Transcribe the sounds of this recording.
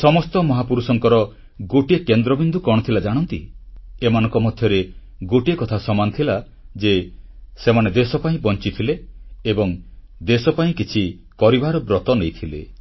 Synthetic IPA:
sɔmɔst̪ɔmɔɦapuɾusɔŋkɔɾɔ | ɡoʈiekend̪ɾɔbind̪ukɔɽ̃ɔt̪ʰilad͡ʒaɽ̃ɔnt̪iemanɔ̃ŋkɔmɔd̪ʱjɔɾe | ɡoʈiekɔt̪ʰasɔmanɔt̪ʰila | d͡ʒesemaned̪esɔpaĩbɔnt͡ʃit̪ʰileːbɔŋ | d̪esɔpaĩkit͡ʃʰi | kɔɾibaɾɔbɾɔt̪ɔnejt̪ʰilḛ

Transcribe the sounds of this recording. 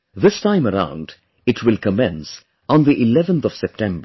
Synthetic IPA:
ðɪstʰãɪ̃məɾã̰ʊ̃nd | ɨtʰwɪlˠkəmɛ̃ns | ɔ̃nðiʔɪlɛvə̃nt̪ɔv̥sɛp̚ʈʰɛ̃mbə˞

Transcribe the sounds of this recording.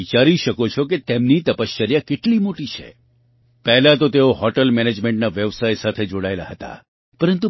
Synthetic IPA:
it͡ʃaɾiʃəkot͡ʃʰoket̪emnit̪əpəst͡ʃəɾjakeʈlimoʈit͡ʃʰḛ | pɛɦlat̪ot̪eoɦɔʈəlmɛned͡ʒmẽɳʈnaʋeʋsajsat̪ʰed͡ʒoɽaelaɦət̪a̰ | pəɾənt̪u

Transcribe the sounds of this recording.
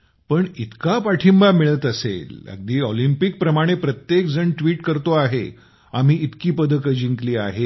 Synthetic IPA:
pəɳit̪kapaʈʰimbamiɭət̪əsḛlə̰ɡ̚d̪iːɔlimpik̚pɾəmaɽ̃epɾət̪jekd͡zəɳʈʋiːʈkəɾt̪oaɦe | am̤iːit̪kiːpəd̪ʱəkəd͡ʑiŋkliːaɦe

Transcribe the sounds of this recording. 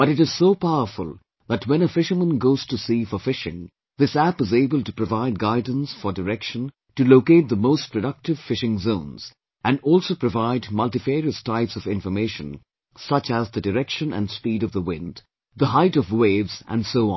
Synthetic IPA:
b̥ʌɾɨɾɨz̥soʊpaʊəfəlˠ | ðətwɛ̃nəfɪʃəmə̃nɡoʊz̥tusifəfɪʃɪ̰̃ŋ | ðɪsæpɨzeɪbəlˠtɨpɹ̥əvaɪd̚ɡaɪdⁿn̩sfə˞dəɾɛkʃə̃n | tɨloʊkeɪt̪̚ðəmoʊstpʰɹ̥ədʌk̚tɨv̥fɪʃɪ̃ŋzõʊ̃nz̥ | ʔæ̃nɔlˠsoʊpɹ̥ɨvaɪdmʌlˠtɨfeɹiəstaɪpsʌvɪ̃ɱfəmeɪʃə̰̃n | sʌt͡ʃəzðɨdɨɾɛkʃə̃nʔɨ̰̃nspiːɾʌvðəwɪ̰̃nd | ðəɦaɪɾʌvweɪvzæ̰̃nsoʊ̰̃n

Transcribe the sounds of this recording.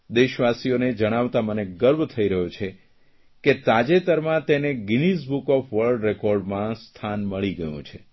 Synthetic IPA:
d̪eʃʋasijoned͡ʒəɽ̃aʋt̪aməneɡəɾbʱt̪ʰəiɾəɦot͡ʃʰe | ket̪ad͡ʒet̪əɾmãt̪eneɡinisbukɔfʋəɾɖɾekɔɾɖmãst̪ʰanməɭiɡəjṵ̃t͡ʃʰe

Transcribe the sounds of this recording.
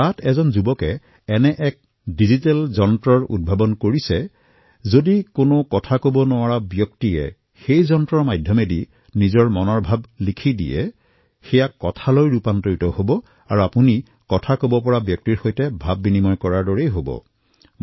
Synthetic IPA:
atʰɛzɔnzubɔkɛ | ɛnɛʔɛk̚ | dizitɛlzɔntɹɔɹṵd̚bʱabɔnkoɹisɛ | zodikonokɔtʰakobɔnʊwaɹabjɔktiɛ̰ | xejzɔntɹɔɹmajdʱjɔmɛdi | nizɔɹmɔnɔɹbʱablikʰidḭjɛ̰ | xɛjakːɔtʰalojɹupantoɹitɔhobɔ | a̰ɹuapuni | kɔtʰakobɔpɔɹabjɔk̚tiɹxojtɛbʱabːinimɔjkɔɹaɹdɔɹejɦobɔ̰

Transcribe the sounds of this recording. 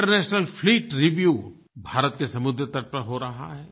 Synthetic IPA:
ʈəɾnɛːʃnəlfʰliːʈɾiʋjuː | bʱaːɾət̪kesɐmʊd̪ɾət̪ɐɾpəɾɦoɾɐɦa̰ɦɛː

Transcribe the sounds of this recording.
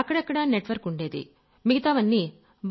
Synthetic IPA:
ɐkːɐɽɐkːɐɽaneʈʋɐɾkuɳɖe̞ːd̪ḭ | miɡit̪aːʋɐnːi | b

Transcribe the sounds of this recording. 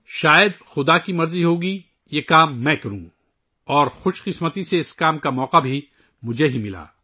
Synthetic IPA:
ʃaːjəd̪xʊd̪akimɐɾziɦoːɡi | jeːkaːmːɛ̃ːkɐɾũː | ɔːɾxʊʃqɪsmət̪iseɪskaːmkamɔːqabʱi | mʊd͡ʒʱeɦimɪla̰ː

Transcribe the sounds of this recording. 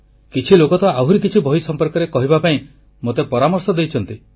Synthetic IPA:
kit͡ʃʰilokɔt̪ɔaɦuɾikit͡ʃʰibʱɔisɔmpɔɾkɔɾekɔɦibapaĩ | mot̪epɔɾamɔɾsɔd̪ejt͡ʃʰɔnt̪i

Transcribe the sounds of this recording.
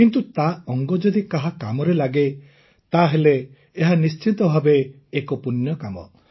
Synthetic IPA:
kint̪ut̪aɔŋɡɔd͡ʒɔd̪ikaɦakamɔɾelaɡe | t̪aɦeleː | ɦanist͡ʃit̪ɔbʱabeː | kɔpunjɔkamɔ̰

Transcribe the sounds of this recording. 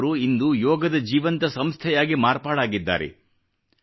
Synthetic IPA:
ɾuind̪ujɔːɡɐd̪ɐd͡ʒiːʋɐnt̪ɐsɐmst̪ʰɛjaːɡimaːɾpaːɽaːɡid̪ːa̰ːɾḛ

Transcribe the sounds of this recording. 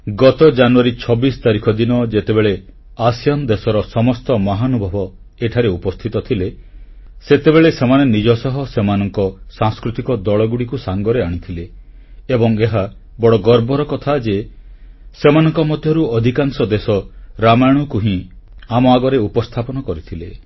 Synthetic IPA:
ɡɔt̪ɔd͡ʒanuaɾit͡ʃʰɔbist̪aɾikʰɔd̪inɔd͡ʒet̪ebeɭe | asijɔnd̪esɔɾɔsɔmɔst̪ɔmɔɦanubʱɔbɔ | eʈʰaɾeupɔst̪ʰit̪ɔt̪ʰile | set̪ebeɭesemanenid͡ʒɔsɔɦɔsemanɔŋkɔsãŋskɾut̪ikɔd̪ɔɭɔɡuɽikusaŋɡɔɾeaɽ̃it̪ʰileː | bɔŋeɦa | bɔɽɔɡɔɾbɔɾɔkɔt̪ʰad͡ʒe | semanɔŋkɔmɔd̪ʱjɔɾuɔd̪ʱikaŋsɔd̪esɔɾamajɽ̃ukuɦĩ | amɔaɡɔɾeupɔst̪ʰapɔnɔkɔɾit̪ʰile

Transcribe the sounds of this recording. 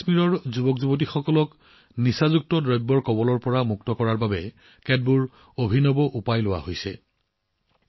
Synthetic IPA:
smiɹɔɹzubɔkzubot̬ixɔkɔlɔk | nisazuk̚tɔdɹɔjbːɔɹkɔbɔlɔɹpɔɹamuktɔkɔɹaɹbabɛ | kɛd̚buɹ | obʱinɔbɔʔupajlʊwa̰hojsɛ

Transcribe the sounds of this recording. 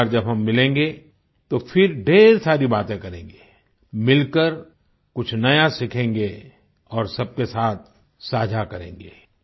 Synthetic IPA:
ɾd͡ʒɐbɦɐmːɪlẽːŋɡe | t̪ofɪɾɖʱeːɾsaːɾibaːt̪ẽkɐɾḛ̃ːŋɡeː | mɪlkəɾ | kʊt͡ʃʰnɐjasɪkʰẽːŋɡe | ɔːɾsɐb̚kesaːt̪̚ʰ | saːd͡ʒʱakɐɾḛ̃ːŋɡeː

